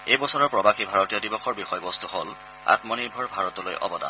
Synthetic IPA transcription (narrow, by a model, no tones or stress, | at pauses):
ejbɔsɔɹɔɹpɹɔbaxibʱaɹɔtijɔdibɔxʰɔɹbixɔjbɔstuɦol | a̰tmɔniɹbʱɔɹbʱaɹɔtɔlo̰jʔɔ̰bɔda̰n